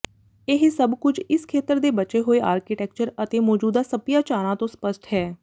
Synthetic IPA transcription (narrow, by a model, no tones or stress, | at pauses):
ɪɦsəbkʊd͡ʒɪskʰeːt̪əɾd̪eːbət͡ʃeːɦoːeːʔaːɾkɪʈɛk̚t͡ʃəɾət̪eːmɔːd͡ʒuːd̪aːsəpɪjaːt͡ʃaːɾãːt̪õːspəsʈɦɛː